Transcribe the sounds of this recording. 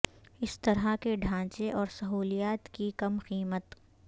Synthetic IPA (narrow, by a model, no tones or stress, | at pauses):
ɪst̪ɐɾakeɖʱãːt͡ʃeʔɔːɾsɐɦuːlijaːt̪kikɐmqiːmət̪